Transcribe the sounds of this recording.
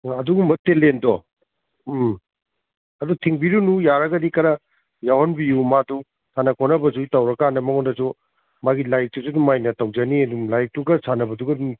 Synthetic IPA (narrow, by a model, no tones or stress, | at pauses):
ɐduɡumɐtːelendɔ | ɐdutʰiŋbiɾunujaɾɐɡɐdikɐɾɐ | jawɔnbijumadu | tʰanɐkʰɔnɐbɐzuitawɾɐkanɐmɐŋondɐsu | maɡilajk̚tusudumajnɐtawd͡ʒɐniɐdulajk̚tuɡɐsʰanɐbɐduɡɐdu